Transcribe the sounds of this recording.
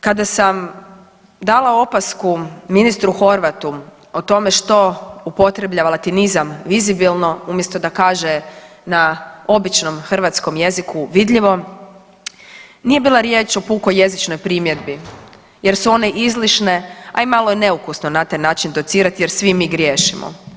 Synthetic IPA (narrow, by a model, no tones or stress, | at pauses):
kad̪asam | d̪aːlao̞paskuminist̪ɾuxo̞ɾʋat̪u | ot̪o̞me̞ʃt̪o̞upo̞t̪ɾe̞blʎaʋalˠat̪inizamʋizibilˠno̞umjest̪o̞d̪akaːʒenao̞bit͡ʃno̞mxr̩ʋat̪sko̞mje̞zikuʋid̪ʎiʋo̞ | nije̞biːlˠaɾjeːt͡ʃo̞puːkoje̞zit͡ʃnojpɾiːmje̞d̪bi | je̞ɾsuo̞ne̞ʔizliʃne̞a̰imalˠo̞jene̞ukusno̞nat̪ajnaːt͡ʃind̪o̞t̪siːɾat̪ijeɾsʋimiːɡɾjeːʃimo̰